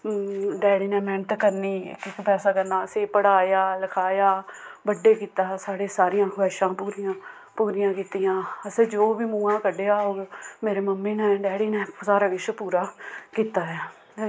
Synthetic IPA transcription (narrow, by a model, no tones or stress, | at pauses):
ɖɛːɽiːnɛːmɛ̃ːnət̪kəɾnḭːkɪkpɛːsaːkəɾnaːəseːpəɽaːjaːləkʰaːjaːbəɖeːkiːt̪aːsaːɽeːsaːɾɪjãːkʰɛːʃãːpuːɾiːjãː | puːɾɪjãːkiːt̪ijãːəseːd͡ʒoːʋiːmũːãːkəɖeːaːoːɡmeːɾeːməmːeːnɛ̃ːɖɛːɽiːnɛːsaːɾaːɡɪʃpuːɾaːkiːt̪aːɛː